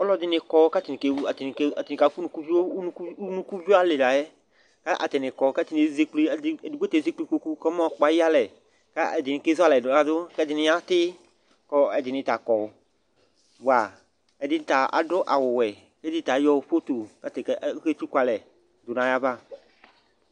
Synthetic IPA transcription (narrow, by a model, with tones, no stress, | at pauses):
ɔ˦lɔ˦d̪ɪ˦nɪ˨kɔ˦ka˦t̪ɪ˨ɪ˨ke˨˦a˨tɪ˨n˨ka˨tɪ˨nɪ˨ka˨˦fu˦nũ˨˦ku˦vi˦o˦u˦nũ˦ku˦vi˦a˦lɪ˨la˨jɛ˦ | ka˦ʔa̰˨t̪ɪ˨nɪ˨kɔ˨˦kɛ˦tɪ˦nɪ̃˨zi˦k͡pli˦˨˦di˨ɡ͡be˦t̪e˨zi˦k͡pli˦ko˨ku˦kɔ˦mɔ̃˦˨k͡pa˨ji˦a˦lɛ˨ | ka˦ɛ˨dɪ˨nɪ˨ke˦zʊ˦a˦lɛ˨dʊ˨nã˨dʊ˦kɛ˦d̪ɪ˨nɪ̃˨˦a˦t̪ɪ˦ | kɔ˨ɛ˨dɪ˨nɪ̃˧t̪a˨kɔ˨˦ | bwa˨ | ɛ˨dɪ˦n˦t̪a˨a̰˨ɖɔ˦ʔa˨wʊ˨wɛ˨ | kɛ˦dɪ˦t̪a˨˦jɔ˦ɸo˦t̪o˨ka˦t̪ɪ˨kke˦t͡ʃu˦ka˨lɛ˨ | dʊ˨nã˨ja˦ba˦